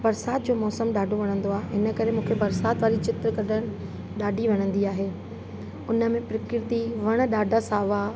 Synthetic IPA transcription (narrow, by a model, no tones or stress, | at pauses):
bɐɾsaːt̪̚d͡ʑoːmɔːsəmɗaːɖʱoʋɐɽ̃ə̃nd̪oaːɦeɦɪnə̆kɐɾemũːkʰebɐɾsaːt̪ʋaːɾit͡ɕɪt̪ɾəkɐɗʱəɽ̃ | ɗaːɖʱiʋɐñə̃nd̪iaːɦeː | ʊnə̆mẽpɾɪkɪɾt̪iʋɐɽ̃̆ɗaːɖʱasaːʋa